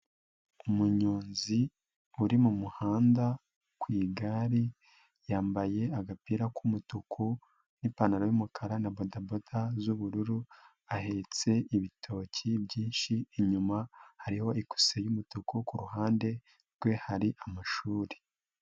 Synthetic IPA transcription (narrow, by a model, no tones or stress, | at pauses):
umuɲoːnzi | uɾimumuhaːnda | kwiːɡaɾi | jaːmbaje̞aɡapiːɾakumutukʰu | nipanaɾajumukʰaɾanabodabodazuβuɾuɾu | aɦe̞t͡se̞iβitʰo̞ːcʰibɟiːnʃiːɲumahaɾiho̞ʔiku̥sejumutukukuɾuɦaːnde̞ | ɾɡwe̞haɾiʔamaʃuːɾe̥